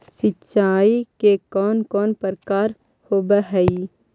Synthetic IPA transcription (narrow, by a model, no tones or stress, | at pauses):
sɪtːt͡ʃaːikekɔːnkɔːnpəɾkaːɾ | hoːbəɦɛi